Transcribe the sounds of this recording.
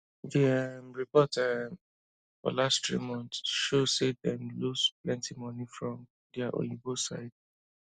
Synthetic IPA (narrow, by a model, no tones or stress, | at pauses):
diamɹipɔta | fɔ̰lasttɹḭmɔ̃ntsʃosedɛ̃mlusplɛ̃ntʰimɔnifɹɔ̃m | dɛaʔɔ̰̃jibosaɪd